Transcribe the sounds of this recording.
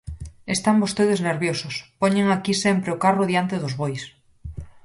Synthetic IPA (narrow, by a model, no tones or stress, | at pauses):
est̪ambost̪eð̞ezneɾβjosospoɲẽŋakisempɾeokaroðjant̪eðozβojs